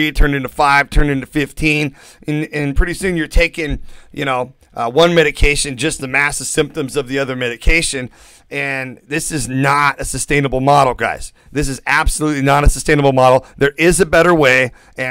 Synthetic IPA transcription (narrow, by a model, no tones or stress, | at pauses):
itʰɜ̃˞ndɪ̃ntɨfaɪv̥tʰɜ̃˞ndɪ̃ntɨfɪftʰĩn | ɨ̃nɨ̃npʰɹ̥ɪɾisʉ̃njə˞tʰeɪkɪ̃ŋjɨ̰ñoʊ | ʔwʌ̃nmɛɾɨkʰeɪʃɨ̃nd͡ʒʌst̪̚ðɨmæsəv̥sɪ̃mp̚tɨ̃mzʌvðiʌðə˞mɛɾɨkʰeɪʃɨ̃n | ɨ̃nðɪsɨznəɾɨsɨstẽɪ̃nəbl̩ˠmɑɾl̩ˠɡa̰ɪz̥ | ðɪs̬ɨzæb̥səlutˡlinəɾɨsəstẽɪ̃nəbl̩ˠmɑɾl̩ˠðə˞ʔɪzɨbɛɾə˞weɪ | ɨ̃